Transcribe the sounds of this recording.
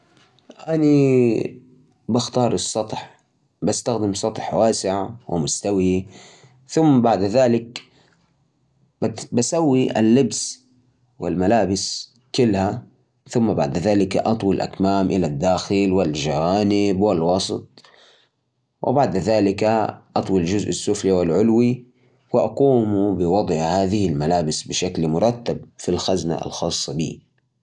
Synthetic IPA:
ʔani | baxt̪ɑːɾˤɨsˤːɑt̪ˤħ | bast̪axd̪ɪmsˤɑt̪ˤħwaːsɪʕawʔɪ̰mʊst̪awi | θʊmːbaʕd̪ðaːlɪk | basawːiʔa̰lːɪbs | wɪ̰lmalaːbɪs | kɪlːha | θʊmːabaʕd̪ðaːlɪka̰ʔɑt̪ˤwilʔa̰kmaːmʔɪlad̪ːaːxɪlwɪlʒawaːnɪbwɪlwɑsˤt̪̚ˤ | wʔɪ̰baʕd̪ðaːlɪkaʔɑt̪ˤwild͡ʒʊzʔɪsːʊfliwɪlʕʊlwi | wɪʔɑquːmubɪwɑd̪ˤʔhahaːðɪhɪlmalaːbɪsbɪʃaklmʊɾˤɑt̪ːabfilxazna̰lxɑːsˤːɑbḭː

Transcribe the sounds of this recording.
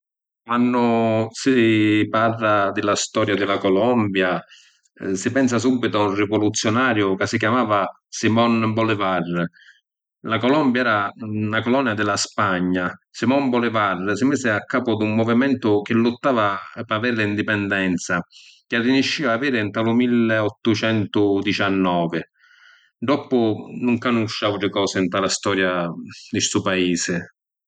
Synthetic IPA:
kwanːʊsiparːad̪ɪlast̪ɔːɾjad̪ɪlakɔlɔmbja | sɪpɛns̬as̬ubːit̪ʊaurːɪvɔlut̪sːjɔnaːɾjʊkasik̬jamaːva | simɔnbɔlɪvar | lakɔlɔmbjaɛːɾanakɔlɔnɛad̪ɪlaspaɲːasimɔmbɔlɪvarːsɪmisɪakːaːpʊd̪umːɔvimɛnt̪ʊk̟ɪlːʊt̪ːaːvapavɛɾlɪind̪ipɛnd̪ɛnt̪sak̟ɪarinuʃːiːvaːviːɾɪnt̪alʊmilːɔt̪ːʊt͡ʃɛnt̪ʊd̪it͡ʃanːɔːvɪ | ɖ̪ɔpːʊnuŋkanuʃːaːuʈ̪ɾɪkɔːsɪnt̪alast̪ɔːɾjad̪ɪsuːpaiːsɪ

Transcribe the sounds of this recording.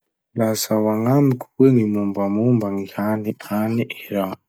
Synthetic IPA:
lasawaŋamikʰu̥weŋimumbamumbaŋihaniʔaniʔɛɾa

